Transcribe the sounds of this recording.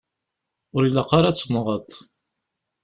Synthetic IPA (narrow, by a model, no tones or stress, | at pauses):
ʊɾilaqɑɾɑt͡sːənʁət̪ˤ